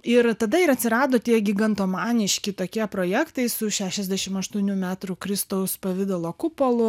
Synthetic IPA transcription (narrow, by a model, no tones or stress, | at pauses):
ɪɾt̪ɐd̪ɐɪɾɐt̪ʲsʲɪɾɑːd̪oːt̪ʲiɛɡʲɪɡɐnt̪oːmɑːnʲɪʃʲkʲɪt̪oːkʲiɛpɾoːjæːkt̪ɐɪsʊʃʲæːʃʲɛzʲd̪ʲæʃʲɪmɐʃt̪uɔnʲuːmʲæːt̪ɾukɾʲɪst̪ɐʊspɐʋʲɪd̪olˠoːkʊpolˠʊ